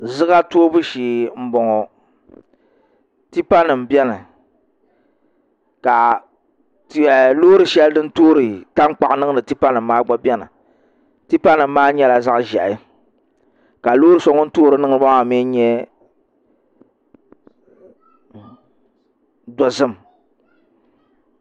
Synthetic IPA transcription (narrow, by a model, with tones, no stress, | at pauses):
zɨ˦ɡa˦to˦bu˦ʃiː˨m̩˨bɔ˨ŋɔ˨ | ti˦pa˦nɨ˨m̩˨bjɛ˦nɨ˨ | ka˨˦˨ | loː˦ɾɨ˨ʃɛ˦ldɨ˦n̩˦toː˦ɾɨ˨ta˦ŋ˦k͡pa˨ʔnɨ˦ŋɨ˦nɨ˨ti˦pa˦nɨ˨m̩ː˦aː˦ɡ͡bɔ˦bɛ˦nɨ̰˨ | ti˦pa˦nɨ˨m̩ː˦aː˦ɲɛ˦la˨za˦ʔʒɛ˨ʔɪ˦ | ka˨loː˦ɾɨ˦so˨˦ŋɔ˦n̩˦toː˦ɾɨ˨˦nɨ˦ŋ˦ɾɨ˦ba˦ŋ˨a˨me˦ɲɛ˦ | dɔ˨zɨ˦m˨